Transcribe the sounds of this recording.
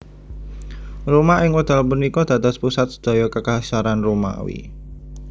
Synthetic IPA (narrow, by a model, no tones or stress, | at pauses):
romaʔɪŋwəd̪̥a̤lpunikɔd̪̥ä̤d̪ɔspusat̪̚sə̥d̪̥a̤jɔkəkasaɾanroma̰wḭ